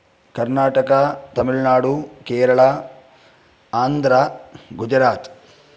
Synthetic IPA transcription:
kɐɾnaːʈɐkɐt̪ɐmiɭnaːɽukeːɾɐɭa | aːnd̪ʱɾaɡud͡ʒɐɾaːt̪

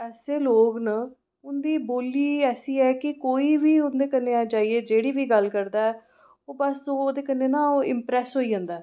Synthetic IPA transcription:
ɛːseːloːɡnə | ʊnd̪iːboːliːɛːsiːɛːkɪkoːiːʋiːʊnd̪eːkənːeːaːd͡ʒaːiːeːd͡ʒeːɽiːʋiːɡəlkəɾd̪aːɛː | oːbəsoːoːd̪eːkənːeːnãːoːɪmpɾɛːsɦoːiːɦə̃ːnd̪aːɛː

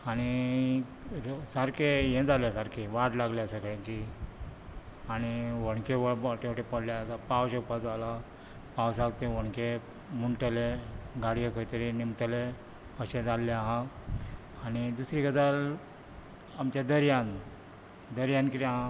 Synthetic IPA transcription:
aɽ̃i | ɾsaɾkejẽd͡zaljasaɾkʰeʋaʈlaɡljasəkəɭãt͡ɕi | añiʋəɽkeʋəbʈeʈepəɽljat̪apawɕəpad͡zala | pawsakt̪eʋəɳke | muɳʈəleɡaɽijəkʰəjt̪əɾinimt̪əle | əɕẽd͡zalːaɦã | añid̪usɾikəd͡zal | amt͡ɕjad̪əɾjãn | d̪əɾjankiɾeaɦã

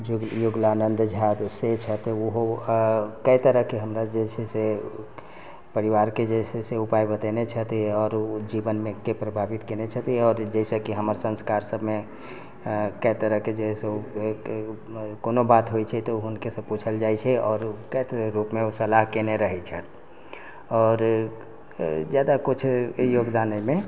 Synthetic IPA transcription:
juɡjuɡlanə̃nd̪d͡ʒʱat̪set͡ʃʰət̪uɦo | kəit̪əɾəɦkeɦəmɾad͡ʒɛsʰese | pəɾiʋaɾked͡ʒɛseseupaibət̪enet͡ʃʰət̪iɔːɾd͡ʒiʋənmẽkepɾəbʱaʋit̪kenet͡ʃʰət̪iɔːɾd͡ʒɛsəkiɦəməɾsə̃nskaɾsəbme | kəjt̪əɾəɦked͡ʒɛse | koːnobat̪ɦoit͡ʃʰɛt̪oɦʊnkesəb̚put͡ʃʰəld͡ʒaːit͡ʃʰɛɔːɾkəjt̪əɾəɾupmẽosəlaɦkeneɾəɦɛt͡ʃʰət̪ | ɔːɾ | d͡ʒjaːd̪akʊt͡ʃʰjoːɡd̪aːnemẽ

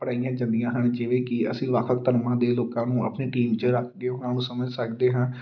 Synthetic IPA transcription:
pəɽaːijãːd͡ʒãːnd̪ijãːɦəɳd͡ʒeːʋeːkɪə̰sĩːʋəkʰʋəkt̪əɾmãːd̪eːloːkãːnũːə̰pneːʈiːmt͡ʃəɾəkʰɡeoːaːnũːsəməd͡ʒsəkd̪eːɦãː

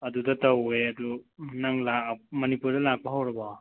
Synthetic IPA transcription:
ɐdudɐtɐweɐdunaŋlamɐnipuɾdɐlak̚baɦawɾɐba

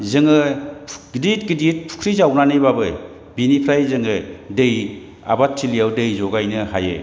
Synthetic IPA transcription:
zɯŋɯɡdit̚ɡidit̚pʰu̥kʰɾizawnanɯjbabɯ | binipʰɾajzɯŋɯdɯj | a̰bat̚ʰːilijawdɯjzɔɡajnɯhajɯ̰

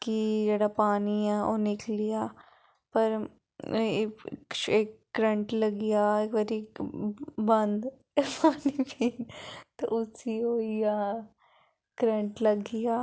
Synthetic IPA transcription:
kid͡ʒəɽapaːniɛːo̰ːnɪklijaː | pɐɾ | eːkːɾə̃ɳʈlɐɡɪjaekʋɐɾi | bɐ̃nd̪ | paːnibʱit̪oʊsiɦoːijaː | kɾə̃ɳʈlɐɡɪjaː

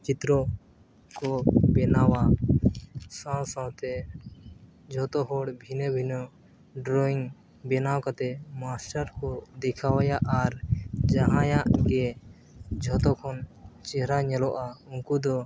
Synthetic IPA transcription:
t͡ʃit̪ɾɔ | kɔbɛnawa | sãsãwt̪ɛ | d͡ʒʱɔt̪ɔɦɔɽbʱinɔbʱinɔ | ɖɾɔiŋ | bɛnawkat̪ɛmasʈaɾkɔd̪ɛkʰawajaʔaɾd͡ʒaɦãjaʔɡɛ | d͡ʒʱɔt̪ɔkʰɔnt͡ʃɛɦɾaɲɛlɔʔauŋkud̪ɔ

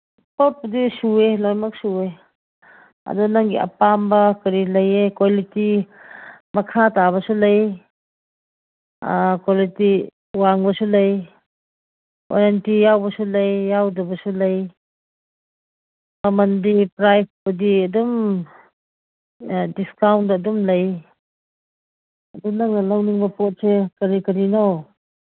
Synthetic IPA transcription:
pop̚budisuelojmɐk̚sue | ɐ̰dunaŋɡḭɐ̰pambɐkɐɾilɐjekwoliti | mɐkʰataβɐsulɐj | kwoliti | waŋbɐsulɐj | o̰ɾantijawbɐsulɐjːawdɐbɐsulɐj | mɐmɐndipɾajsbudiɐdum | diskawntdɐːdumlɐj | ɐdunɐŋnɐlɐwniŋbɐpot̚sekɐɾikɐɾinow

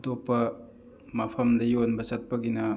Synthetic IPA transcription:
topːɐ | mɐpʰɐmdɐjonbɐsɐt̚pɐɡinɐ

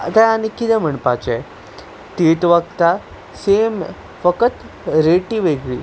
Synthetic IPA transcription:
t̪ãanikit̪ɛ̃m̤əɳpat͡ɕɛ | t̪iʈ̪ʋəɡt̪a | sem | fəkət̪ | ɾeʈiʋeɡɭḭː

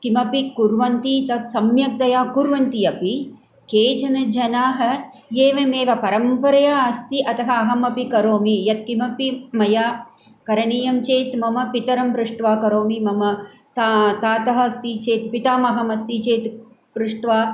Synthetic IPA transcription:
kimɐpikuɾʋɐnt̪it̪ɐt̪sɐmjɐk̚d̪ɐjaːkuɾʋɐnt̪iɐpi | keːd͡ʒɐnɐd͡ʒɐnaːɦɐ̆jeːʋemeːʋɐpɐɾɐmpɐɾɐjaːɐst̪iʔɐt̪ɐɦɐɐɦɐmɐpikɐɾoːmijɐt̪kimɐpimɐjaː | kɐɾɐɳiːjɐmt͡ʃeːt̪mɐmɐpit̪ɐɾɐmpɾuʂʈʋaːkɐɾoːmimɐmɐ | t̪at̪aːt̪ɐɦɐst̪it͡ʃeːt̪pit̪aːmɐɦɐmɐst̪it͡ʃeːt̪ | pɾuʂʈʋaː

